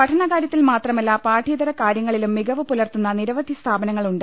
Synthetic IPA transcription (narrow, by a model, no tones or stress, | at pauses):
ɐʈʰɐɳɐkaːɾjɐt̪ːilmaːt̪rɐmɐlːapaːʈʰiːd̪ɐɾɐkaːɾjɐŋːɐɭilumːiɡʱɐʋɨpulɐrt̪ːunːɐniɾɐʋɐd̪ʱist̪ʰaːbɐnɐŋːɐɭuɳɖɨ